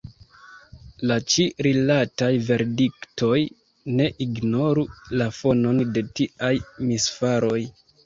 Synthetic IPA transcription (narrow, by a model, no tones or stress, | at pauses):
lat͡ʃiɾilatajve̞ɾdikto̞j | ne̞ʔiɡno̞ɾulafo̞no̞nde̞tiajmisfaɾo̞j